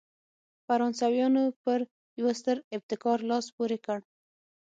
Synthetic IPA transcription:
faɾɑnsɑwjɑnopəɾ | jwast̪əɾɪb̚t̪ɪkɑɾlɑspuɾekəɽ

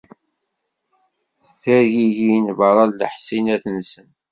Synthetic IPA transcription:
θæɾʝiʝinvəɾˤɑllə̰ħsinæθənsən

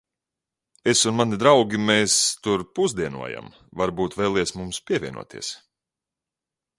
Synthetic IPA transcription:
esunmanid̪ɾawɡʲimeːst̪uɾpuzd̪iɛnṵɔja̰m | vaɾbuːt̪vɛːlˠɛsmumspʲiɛvʲiɛnṵɔt̪ʰḭɛs

